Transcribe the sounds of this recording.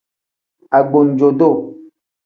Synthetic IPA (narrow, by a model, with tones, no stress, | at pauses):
a˨ɡ͡bo˨n˨d͡ʒo˨do˦˨